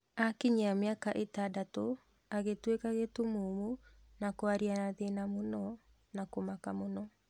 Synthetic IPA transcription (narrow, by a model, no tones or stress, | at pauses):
akiɲeameakaʔetadato | aɣetwekaɣetomomu | nakoaɾianaðenamonɔ | nakomakamonɔ